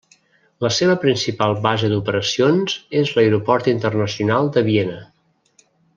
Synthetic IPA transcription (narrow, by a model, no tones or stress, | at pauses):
ləseβəpɾinsipalˠβazəd̪upəɾəsionzezləjɾupɔɾt̪int̪ərnəsiunalˠd̪əβienə